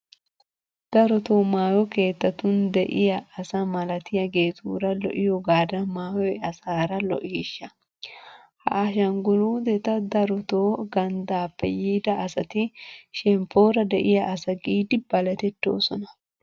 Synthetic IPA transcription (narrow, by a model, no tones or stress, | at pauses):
d̪̥ɐɾɔt̪o̞ːmaːwɔke̞ːt̪ːɐt̪ʊnd̪ɛʔɪjɐɐsɐmɐlɐt̪ɪjɐɡeːt̪ṵːɾɐlɔ̰ʔɪjɔɡaːd̪ɐmaːwɔjɐsaːɾɐlɔ̰ʔɪːʃːɐ | hɐ̰ʔːʃɐŋɡʊluːd̪ɛt̪ɐd̪ɐɾɔt̪oːɡɐnd̪aːpːɛ̰jiːd̪ɐːsɐt̪ɪʃɛmpːo̞ːɾɐd̪ɛʔɪjɐʔɐsɐɡiːd̪ɪbɐlɐt̪ɛt̪ːo̞̰ːsɔ̰nɐ